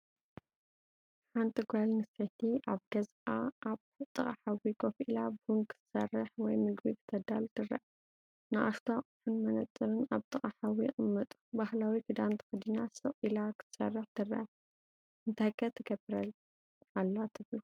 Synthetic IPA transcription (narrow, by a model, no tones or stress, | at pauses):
ħant̪ʰʼiɡʷalnɨset̪ʰiʔaβɡɐz | aaβ | t̪ʼɨχʼaħawikʰʼofʔilabhuŋkʰɨ̥t̪ʰɨ̥sɐ̰rːɨħwɔjmɨɡbikʰɨ̥t̪ʰɐd̪alt̪ʰɨrːɐ̰ʔ | nɨʔa̰st̪ʰaʔʼħunmɐnɐt̪ʼːɨɾɨnaβt̪ʼɨχʼaħawiqʼɨmːɐt̪ʼu̥bahlawikʰɨd̪ant̪ʰɨ̥kɨd̪inasɨʔʼilakʰɨ̥t̪ʰɨ̥sɐ̰rːɨħt̪ʰɨrːɐ̰ | ɨnt̪ʰakʰɐt̪ʰɨɡɐbɨɾɐl | alːat̪ʰɨβlu